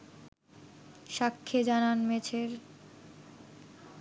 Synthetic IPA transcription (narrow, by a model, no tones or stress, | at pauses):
ʃakʰːed͡ʑananmet͡ɕʰeɾ